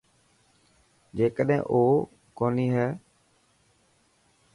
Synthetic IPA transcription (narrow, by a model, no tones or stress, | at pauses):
d͡ʒeːkəɗɦɛ̰̃ːʔoː | koːniːɦɛː